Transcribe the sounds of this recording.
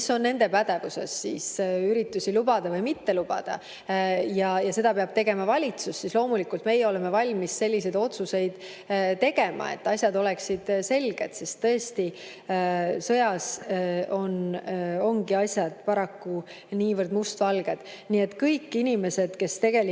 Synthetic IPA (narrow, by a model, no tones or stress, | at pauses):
so̞nːe̞nd̪e̞pæd̪e̞vuse̞̰sːḭsyɾit̪ːˑusilubɑd̪̥ɑvɤjmit̪ːe̞lub̥ɑ̰d̪̥ɑ̰ | jɑjɑse̞d̪̥ɑpeɑb̥t̪e̞ɡe̞mɑvɑlʲit̪susːislo̞ːmulikult̪me̞jeo̞le̞me̞vɑlʲmisse̞lːise̞jd̪̥o̞t̪suse̞jd̪̥ | t̪ːe̞ɡe̞mɑ̰e̞̰t̪ːɑsʲjɑd̪o̞leksid̪̥se̞lɡ̥e̞d̪̥se̞st̪ːɤest̪i | sɤjɑso̞no̞ŋɡiɑsʲjɑd̪̥pɑɾɑkːu | niːvərd̪must̪vɑlɡ̥e̞d̪̥ | niːe̞t̪ːˑkɤjkːinime̞se̞d̪̥ke̞st̪e̞ɡ̥e̞li